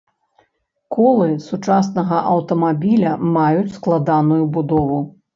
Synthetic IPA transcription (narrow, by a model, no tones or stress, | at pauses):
kɔlˠɨsut͡ʂas̬nɐɣɐʔɐwt̪ɐmabʲilʲɐmajut͡sʲsklˠad̪anujubud̪ɔvu